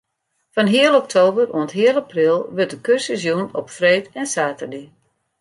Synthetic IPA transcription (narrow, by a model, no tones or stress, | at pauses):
fanɦiəlˠɔk̚tʰoːbərṵəntɦiəlˠaprɪlˠʋøt̚dəkørsəzjunɔpfreːtɛnsaːtərdi